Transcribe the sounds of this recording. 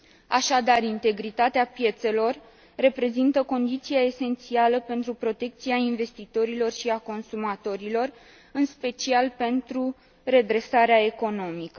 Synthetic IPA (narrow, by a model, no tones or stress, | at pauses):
aʃad̪arint̪e̞ɡɾit̪at̪eapje̞t̪se̞lo̞rː | e̞pɾe̞zint̪əko̞nd̪it̪siae̞se̞nt̪sialəpe̞nt̪ɾupɾo̞t̪e̞k̚t̪siainve̞st̪it̪o̞ɾilo̞rʃiako̞nsumat̪o̞ɾilo̞r | ɨnspe̞t͡ʃialpe̞nt̪ɾu | ɾe̞d̪ɾe̞saɾeaeko̞no̞mikə